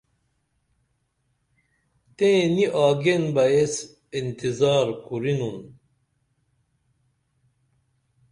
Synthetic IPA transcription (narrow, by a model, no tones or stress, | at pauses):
t̪ẽniʔaːɡenbɐjes | int̪izaːɾkuɾinun